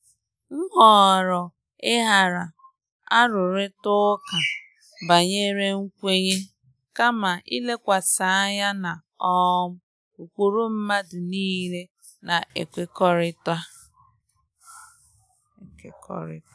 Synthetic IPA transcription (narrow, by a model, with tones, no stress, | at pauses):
ŋ̩˦ɦɔ˨ɾɔ˨ | ɪ˦ɦa˨ɾa˨ | a˦ɾʊ˨ɾɪ˦tʊ˦ka˨ | ba˨ɲe˦ɾe˦ŋ̩˦kʷe˦ɲe˦ | ka˦ma˨ʔḭ˦le˦kʷa˨sa˨a˦ɲa˦na˨ | ɔ˦m̩˦ | u˨kʷu˦ɾu˦m̩˦ma˦dʊ˨niː˦ɾe˦ | na˨ʔḛ˨kʷe˦kɔ˦ɾɪ˦ta˦ | e˨kḛ˨kɔ̰˦ɾɪ̰˦t